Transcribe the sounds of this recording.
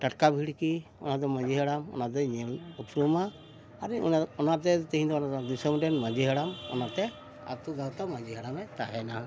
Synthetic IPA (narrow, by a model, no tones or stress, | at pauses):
ʈaʈkabʱiɽkiɔ̰nad̪ɔmãd͡ʒiɦəɽamɔ̰nad̪ɔɲɛlupɾumaː | ɾiɔnaɾt̪ɛt̪iɦĩd̪ɔnad̪isɔmʈɛnmãd͡ʒiɦɛɽamɔ̰naɾt̪ɛ | a̰t̪uɡawt̪amãd͡ʒiɦɛɽamɛt̪aɦɛna